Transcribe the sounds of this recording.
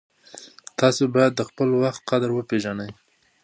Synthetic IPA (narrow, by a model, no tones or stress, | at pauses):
t̪ɑsobɑjad̪ːəxpəlwaxt̪̚qad̪əɾwəpeʒanəj